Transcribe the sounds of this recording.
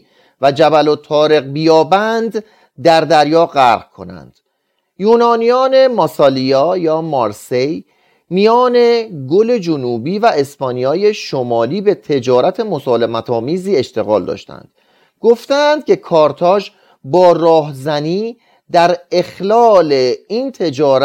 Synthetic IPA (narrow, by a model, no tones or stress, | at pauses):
væd͡ʒæbælo̞t̪ʰːɒːɾeɣbijɒːbænd̪ | d̪æɾd̪æɾjɒːɢæɾɣkʰo̞̰næ̰nd̪̥ | juːnɒːnijɒːne̞mɒsɒːlijɒːjɒːmɒɾse̞j | mijɒːne̞ɡole̞d͡ʒonuːbiːvæʔespɒːnijɒːje̞ʃomɒːliːbe̞t̪ʰe̞d͡ʒɒːɾæt̪ʰe̞mo̞sɒːle̞mæt̪ʰɒːmiːziːe̞ʃt̪eɣɒ̰ːld̪ɒ̰ːʃt̪æ̰nd̪̥ | ɡ̥o̞ft̪æːnd̪̥̚cʰe̞kʰɒːɾt̪ʰɒːʒ | bɒːrɒːɦzæniː | d̪æɾe̞xlɒːle̞iːnt̪ʰe̞d͡ʒɒːɾ